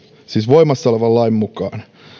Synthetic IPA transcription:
siːsʋoimɑsːoleʋɑllɑimmukɑːn

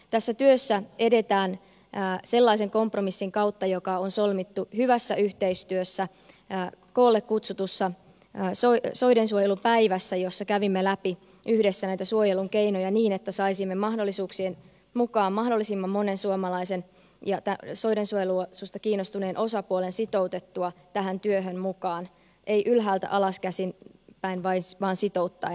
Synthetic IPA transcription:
t̪æsːæt̪yøsːæe̞de̞t̪æːn | se̞lːɑise̞ŋko̞mpromisːiŋkɑwt̪ːɑjo̞kɑonso̞lmit̪ːuhyʋæsːæʔyht̪e̞ist̪yøsːæ | ko̞ːlːekkut̪sut̪usːɑ | soso̞jdensuojelupæiʋæsːæjo̞sːɑkæʋimːelæpi | ʔyhdesːænæit̪æsuojeluŋkeinojɑniːnet̪ːæsɑisimːemɑɦdo̞lːisuːksien | mukɑːmmɑhdo̞lːisimːɑmːo̞ne̞nsuomɑlɑise̞n | jɑt̪æso̞idensuojelusust̪ɑkiːnːost̪une̞ːnʔo̞sɑpuole̞nsit̪o̞wt̪et̪ːuɑt̪æɦænt̪yøɦønmukɑːn | ʔe̞iʔylɦæːlt̪æ̰ʔɑlɑskæsinpæinʋɑinʋɑːnsit̪o̞ut̪ːɑ̰ː

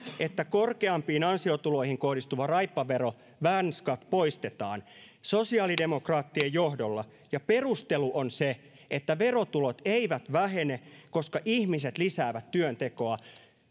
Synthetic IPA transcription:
ʔet̪ːækorkeɑmpiːnɑnsiot̪ulo̞ihiŋko̞hdist̪uʋɑrɑjpːɑʋeɾo | ʋænskɑt̪po̞ist̪et̪ɑ̰ːn | so̞siɑːlide̞mo̞krɑːt̪ːiejjohdolːɑ | jɑpe̞rust̪eluʔonse | et̪ːæʋe̞ro̞t̪ulot̪eiʋæt̪ʋæɦeneko̞skɑʔihmiset̪lisæːʋæt̪tyønt̪e̞ko̞ɑ

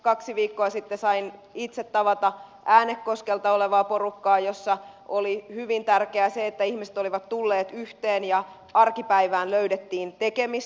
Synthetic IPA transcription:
kɑksiʋiːkːoɑsit̪ːesɑinit̪set̪ːɑʋɑt̪ɑʔæːnekːo̞skelt̪ɑoleʋɑːpo̞rukːɑːjosːɑʔolihyʋint̪ærkeæseet̪ːæihmiset̪oliʋɑt̪t̪ulːeːt̪yht̪eːnjɑ | ɑrkipæiʋæːnløydet̪ːiːnt̪ekemis

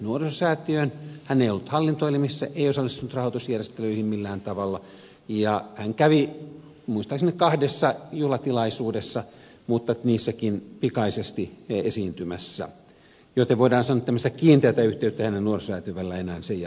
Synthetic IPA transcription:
nuorsosæːt̪yønhænːeijolːut̪hɑlːint̪oilimisːæʔeiosɑlːˑist̪unut̪rɑhot̪usjærˑest̪eløihimmilːæːnt̪ɑʋɑlːɑ | jɑhæŋkæʋi | muist̪ɑksinːekkɑhdesːɑjulɑt̪ilɑisuːdesːɑ | muːt̪ːɑniːsːækinpikɑisest̪iesiːnt̪ymæsːæ̰ | jot̪eʋʋoidɑːnsɑnːot̪æmːst̪ækiːnt̪eæt̪æyht̪eyt̪ːæhænennuorssæːt̪yøʋælːæenæːnsej

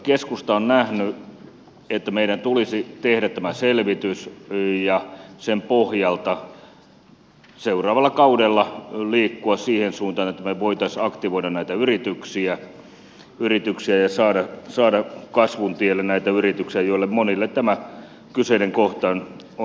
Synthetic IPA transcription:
keskust̪ɑonnæhny | et̪ːæmeiɾænt̪ulisit̪ehɾæt̪t̪æmæselʋit̪ysjɑsempohjɑlt̪ɑ | seurɑːʋɑlːˑɑkɑudelːɑliːkːuɑssiːhensuːnt̪ɑːnet̪ːæmeʋoit̪ɑsɑkt̪iʋoiɾɑnnæit̪æyrit̪yksiæ | yrit̪yksiæjɑsɑːɾɑsɑːɾɑkɑsʋunt̪ielːennæit̪æyrit̪yksiæjoilːemmonilːet̪t̪æmæ | kyseineŋkoht̪ɑːn | o

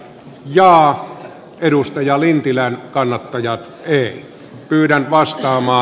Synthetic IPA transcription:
jɑː | eɾust̪ɑjɑlint̪ilænkɑnːɑt̪ːɑjɑt̪ | eˑi | pyːtænt̪ʋɑst̪ɑːmɑː

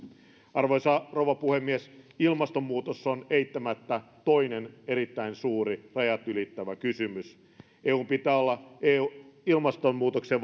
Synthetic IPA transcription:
ɑrʋojsɑrowʋɑpuhemːiesilmɑst̪omːuːt̪osːoneit̪ːæmæt̪ːæt̪o̞inene̞ɾit̪ːæinsuːɾirɑjɑt̪ylit̪ːæʋækysymys | ʔeːuːmpit̪æːolːɑeːuilmɑst̪omːuːt̪okseʋ

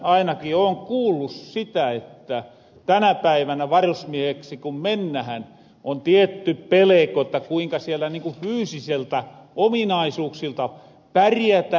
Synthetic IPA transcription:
ɑinɑkioːŋkuːlːussit̪æet̪ːæ | t̪ænæpæiʋænæʋɑrusmieheksikummenːæhæn | ʔont̪iet̪ːyppelekoet̪ːækuiŋkɑsielːæniŋkufyːsiselt̪æ | ominɑisuːksilt̪ɑ | pærjæt̪æ

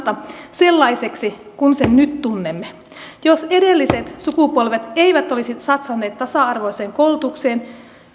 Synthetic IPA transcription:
t̪ɑse̞lːɑiseksi | kunsennyt̪tːunːemːe | jose̞delːiset̪sukupo̞lʋet̪eiʋæt̪olisit̪sɑt̪sɑnːeːt̪t̪ːɑsɑɑrʋo̞iseːŋkolt̪ukseːn

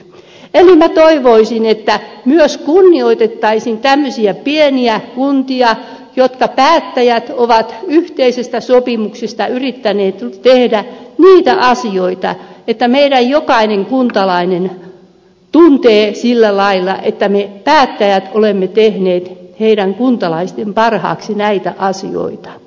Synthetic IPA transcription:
elimæt̪oiʋoisinet̪ːæmyøskunːioit̪et̪ːɑisint̪æmːøsiæpieniækunt̪iɑ | jot̪kɑpæːt̪ːæjæt̪oʋɑt̪yht̪eisest̪æsopimuksest̪ɑyrit̪ːæneːt̪t̪ehdæniːt̪æʔɑsioit̪ɑ̰et̪ːæmeiɾæjjokɑineŋkunt̪ɑlɑinen | t̪unt̪eːsilːælɑilːɑ̰ʔet̪ːæmepæːt̪ːæjæt̪olemːet̪ehneːt̪heiɾæŋkunt̪ɑlɑist̪empɑrhɑ̰ːksinæit̪æ̰ʔɑsḭo̰it̪ɑ̥

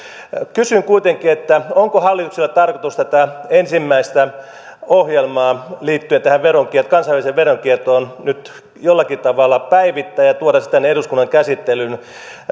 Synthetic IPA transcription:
kysyŋkuit̪eŋkˑiet̪ːæoŋkohɑlːit̪ukselːˑɑt̪ɑrkot̪ust̪ɑt̪æensimːæist̪æ | ohjelmɑːliːt̪ːyøent̪æhæʋʋeɾoŋkiet̪okɑnsɑʋæliseʋʋeroŋkiet̪oːnnyt̪ | jolːɑkit̪ɑʋɑlːˑɑpæiʋit̪ːæːjɑt̪uoɾɑsi̥t̪æneduskunːɑŋkæsit̪ːelyn

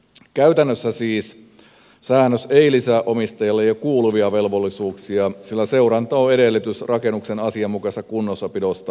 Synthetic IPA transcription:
kæyt̪ænːøsːæsiːs | sæːnːøseilisæʔomist̪ɑjɑlːejɑkuːluʋiɑʋe̞lʋolːisuːksiɑsilːæse̞wɾɑnt̪ɑoe̞ɾelːet̪ysrɑke̞nːuksenɑsiɑmːukɑsɑkunːosːɑpidost̪ɑ

